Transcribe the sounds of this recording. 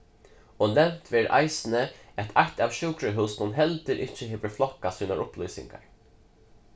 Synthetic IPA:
ɔnɛmt̪ʰʋeːɾʔa̰ɪsn̩əæt̪ʰat̪aːʋʃʉːkɾəɦʉːsnʊnɦɛlt̪əɾʔɪcːəɦeːʋəflɔkasiːnaɹʊplʏːsɪ̰ŋɡa̰ɹ

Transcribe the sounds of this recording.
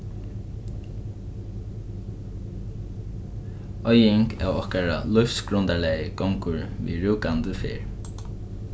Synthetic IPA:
ɔjɪŋkɛ̰wɔhkaɹa̰lʊfsɡɹʊnt̪alɛjəkɔŋkʊɹvḭːɹuːkant̪əfɪ̰ːɹ

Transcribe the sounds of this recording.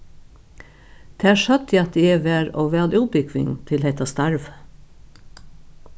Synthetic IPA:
d̪̥æːʃœt̪iːɑt̪̚d̪iːeʋæːɾoːʋæːlʔʉbʏɡʋɪ̰ŋt̪ʰɪlhɛt̪ɑst̪ɑɹʋ

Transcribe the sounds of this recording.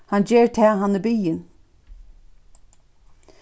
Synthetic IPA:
hand͡ʒeːɹt̪ʰɛːɦanːɪbyːjɪn

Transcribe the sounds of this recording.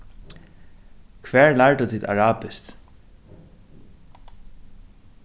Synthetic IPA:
kʰʋɛːɹlaɹt̪ut̪ʰiːd̪a̰ɹaːpɪst̪

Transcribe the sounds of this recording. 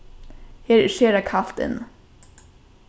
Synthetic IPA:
heːɾʃeːɾakʰaft̪ə̰n

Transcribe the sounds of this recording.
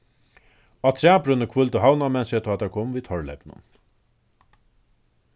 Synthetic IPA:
at̪ʰɾæːpɾʏnəkʰvʊlt̪əɦawnamɛnsət̪ʰɔat̪ʰːaɹkʰoːmviːt̪ʰɔɹlɛ̰pnʊ̰n

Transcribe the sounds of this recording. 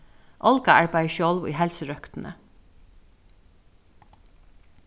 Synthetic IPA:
ʔɔlkaaɹpajʃjɔwlʋṵjɦɛlsəɹœkt̪nə̰

